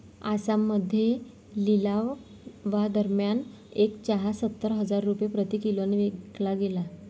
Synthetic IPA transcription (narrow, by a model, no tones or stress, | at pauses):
asamːəd̪ʱːje | lilaʋ | ʋad̪əɾmjan | ekt͡ɕaɦasət̪ːəɾɦəd͡zaɾːupjepɾət̪ikiloneʋeɡlaɡela